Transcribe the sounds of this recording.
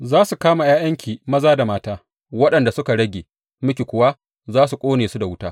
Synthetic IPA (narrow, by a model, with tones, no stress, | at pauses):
zaː˦su˨kaː˦ma˨jaː˦jɐ˦ŋkʲʰiː˨mɐ˦zaː˦da˨maː˦taː˦ | wɐ˦ɗɐ˨nda˨sʊ˦ka˨ɽɐ˦ɡʲeː˨ | mʊ˦kʲe˨kʷʊ˨wa˦ | zaː˦su˨kʷʼoː˦neː˨su˦da˨wʊ˦taː˦